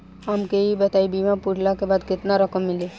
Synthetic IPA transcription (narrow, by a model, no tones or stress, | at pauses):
amkeɦibɛt̪aibimapuɾlakebaːd̪kɪt̪naɾɐkəmːɪle